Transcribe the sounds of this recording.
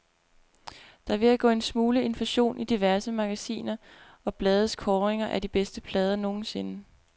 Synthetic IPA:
d̥ɑ̈ʋe̝æɡ̥ɔ̰ːe̝nsmuːləe̝nfæɕo̝̰ːnʔid̥iʋæɐsəmɑ̈ɡ̥æsḭːnɐ | ɒ̽b̥lɛːð̞ˠəskʰɒːʁeŋɐʔæɐd̥ib̥esd̥əpʰlɛːð̞ˠɐno̝ːn̩se̝nə

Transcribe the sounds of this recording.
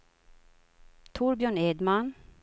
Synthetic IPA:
t̪ʰʊɾbjœːɳeːd̪man

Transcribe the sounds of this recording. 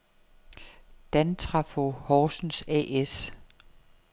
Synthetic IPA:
d̥ænt͡sʰʁɑfohɒːsn̩sɛ̰ʔes

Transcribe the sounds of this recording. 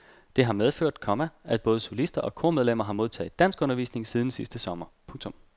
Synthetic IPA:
d̥e̝ɦɑ̈meðˠføɐ̰d̥̚kʰɒ̽mææ̥b̥ɔ̽ːðˠəsolisd̥ɐʔɒ̽kʰo̝ɐmeð̞ˠlem̰ɐɦɑ̈mo̝ð̞ˠt͡sʰɛ̰ːðˠd̥æn̰sɡ̥ɔ̽nɐʋḭːsne̝ŋsið̞ˠn̩sisd̥əsɒ̽mɐpʰɔ̽ŋt͡sʰɔ̽m

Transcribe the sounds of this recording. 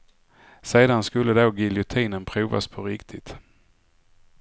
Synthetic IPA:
seːd̪anskɵlːəd̪oːɡɪljʊt̪ʰiːnənpʰɾuːva̰spʰɔɾɪkt̪ʰɪt̪

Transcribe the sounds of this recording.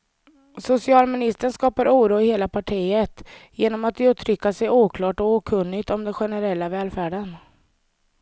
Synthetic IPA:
sʊsɪɑːlmɪnɪst̪əɳskɑːpaɾuːɾuːɪheːlapʰaʈʰiːət̪jeːnɔmat̪d̪jɵt̪ʰɾʏkːasɛjuːkʰlɑːʈɔuːkʰɵnːɪt̪ɔmd̪ɛɧɛnəɾɛlːavɛːlfæːɖən

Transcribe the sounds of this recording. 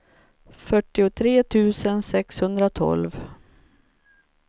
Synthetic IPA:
fœʈːɪʊt̪ʰɾeːt̪ʰʉ̟ːsənsɛkshɵnd̪ɾat̪ʰɔ̰lv

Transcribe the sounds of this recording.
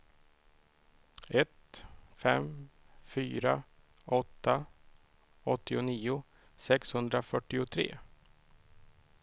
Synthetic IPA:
ɛt̪fɛm | fyːɾa | ʔɔt̪ːa | ɔt̪ːɪʊniːʊ | sɛkshɵnd̪ɾafœʈːɪʊt̪ʰɾḛː

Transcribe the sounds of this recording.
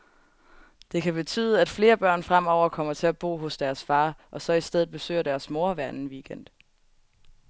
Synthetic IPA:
d̥e̝kʰæb̥e̝t͡sʰy̰ːðˠəæd̥fle̝ːɐb̥ɶɐ̰nfʁam̰ɒʊ̰ɐkʰɒ̽m̰ɐt͡sʰe̝æb̥o̝̰ːɦɔ̽sd̥æɐsfɑ̈ːʔɒ̽sɒ̽isd̥eð̩ˠb̥e̝sø̰ːɐd̥æɐsmo̝ɐʋæɐn̩ʋiːɡ̥en̰d̥

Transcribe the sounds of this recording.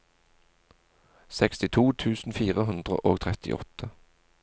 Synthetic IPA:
sɛkst̪ɪt̪ʰuːt̪ʰʉːsn̩fiːʁəɦʉnd̪ʁə̰ʔoːɡt̪ʰʁɛt̪ɪ̰ʔɔ̰t̪ʰə

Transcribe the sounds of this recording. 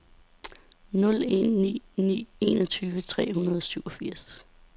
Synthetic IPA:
nɔ̽le̝̰nːḭːnḭːe̝ːnɒt͡sʰyːʋət͡sʰʁɛ̰ːhunɐð̞ˠɒ̽syʊɒ̽fiɐ̰s

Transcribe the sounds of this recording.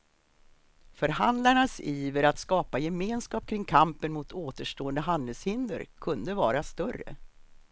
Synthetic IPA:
fœɾhand̪laɳasiːvəɾat̪skɑːpajɛmeːnskɑːp̚kʰɾɪŋːkʰampənmʊt̪ʰoːt̪əʂʈoːənd̪əɦand̪əlshɪnd̪ə̰ɾkʰɵnd̪əvɑːɾast̪œrːə̰

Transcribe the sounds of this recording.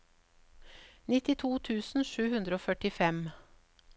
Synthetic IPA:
nɪt̪ɪt̪ʰuːt̪ʰʉːsn̩ʃʉːhʉnd̪ɾəoːfœʈɪfɛm

